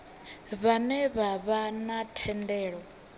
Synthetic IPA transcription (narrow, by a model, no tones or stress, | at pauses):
βanɛβaβanatʰɛndɛːɺɔ